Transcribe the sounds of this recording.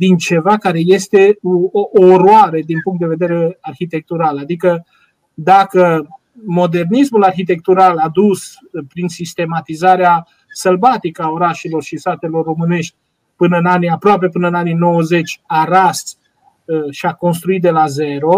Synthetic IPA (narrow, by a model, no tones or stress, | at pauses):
d̪int͡ʃe̞vakaɾe̞je̞st̪e̞ooːɾoaɾed̪inpuŋkt̪̚d̪e̞ve̞d̪e̞ɾe̞arçit̪e̞k̚t̪uɾalad̪ikə | d̪akə | mo̞d̪e̞rnismularçit̪e̞k̚t̪uɾalad̪us | pɾinsist̪e̞mat̪izaɾea | səlbat̪ikəaoɾaʃilo̞rʃisat̪e̞lo̞rːo̞mɨne̞ʃt̪ʲ | pɨnəɨnaniapɾoape̞pɨnəɨnanino̞wəze̞t͡ʃʲaɾas | ʃiako̞ns̬t̪ɾuit̪̚d̪e̞laze̞ɾo̞